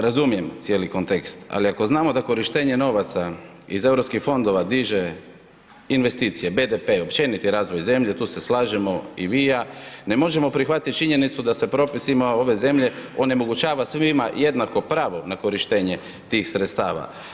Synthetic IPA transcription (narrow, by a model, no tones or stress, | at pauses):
ɾazumije̞mt̪sije̞ːliko̞nt̪e̞kst̪a̰liako̞znaːmo̞d̪ako̞ɾiʃt̪e̞ːɲe̞no̞ʋat̪sa | ize̞vɾo̞pskixfo̞nd̪o̞ʋad̪iʒe̞ | inʋe̞st̪iːt̪sije̞be̞d̪epe̞o̞pt͡ʃe̞nit̪iɾaːzʋo̞jze̞mʎe̞t̪uːse̞slaːʒemo̞iʋijane̞mo̞ʒe̞mo̞pɾixʋat̪it̪t͡ʃiɲe̞nit̪sud̪asepɾo̞pisimoo̞ʋe̞ze̞mʎe̞o̞ne̞mo̞ɡut͡ʃaːʋasʋimajed̪nako̞pɾaːʋo̞nako̞ɾiʃt̪e̞ːɲe̞ | t̪iːxsɾet̪st̪aːʋa̰